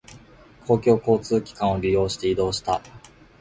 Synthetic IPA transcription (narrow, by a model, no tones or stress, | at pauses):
kʰo̞ːkʲo̞ːko̞ːt͡sɨːkʲi̥kãɰ̃o̞ɾʲijo̞ːɕi̥t̪e̞id̪o̞ːɕi̥t̪a̰